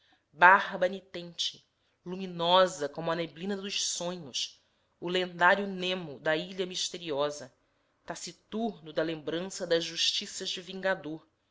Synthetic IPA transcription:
baɦbɐnit̪ẽnt͡ʃɪ̥ | luminɔzɐkõmʊɐneblĩnɐd̪ʊʃsõɲʊs | ʊlẽnd̪aɾjʊnẽmʊd̪ɐiʎɐmiʃt̪eɾiɔzɐ | t̪asit̪uɾnʊd̪ɐlẽmbɾɐ̃sɐd̪ɐzʒuʃt͡ʃisɐʒd͡ʒɪvĩŋɡad̪oɾ

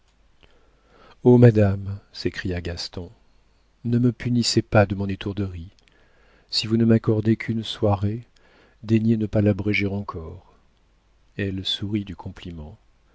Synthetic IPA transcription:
omad̪amsekχijaɡast̪ɔ̃ | nəməpynisepad̪əmɔ̃net̪uʁd̪əʁi | sivunəmakɔʁd̪ekʰynswaʁe | d̪eɲenəpalabʁɛʒeʁɑ̃kʰɔʁ | ɛlsuʁid̪ykʰɔ̃plimɑ̃

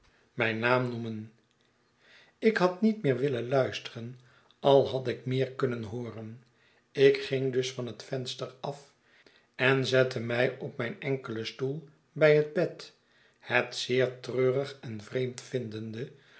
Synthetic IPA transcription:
mɛjnaːmnumən | ɪkɦɑtnitmɪːɹʋɪlənlœɥstərən | ɑlˠɦɑtɪkmɪːɹkɵnənɦoːrən | ɪkχɪŋdɵsfɑnɦətfɛnstəɹɑf | ɛnzɛtʰəmɛjɔpmɛjnɛŋkələstulˠ | bɛjɦəd̚bɛt | hətsɪːɹtrøːrəχɛnvrejmtfɪndəndə

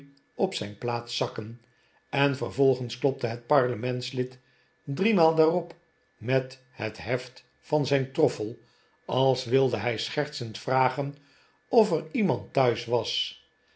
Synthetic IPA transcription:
ɔpsɛjnplaːtsɑkən | ɛnvərvɔlˠχənsklɔp̚təɦət̚pɑɹləmɛntslɪt | drimaːlˠdaːrɔp | mɛt | ɦətɦɛft | fɑnzɛjntrɔfəlˠ | ɑlˠsʋɪlˠdəɦɛjsχɛrtsəntfraːχən | ɔfərimɑntːœɥsʋɑs

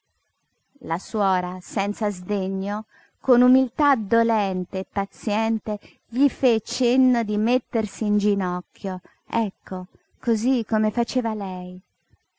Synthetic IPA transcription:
laswɔːɾasɛnt̪sazd̪eɲːo | konumilt̪ad̪olɛnt̪eːpːat̪sjɛnt̪e | ʎifet͡ʃːenːod̪imet̪ːersiːnd͡ʒinɔkːjo | ɛkʰːo | kozikːomefat͡ʃeːvalɛj

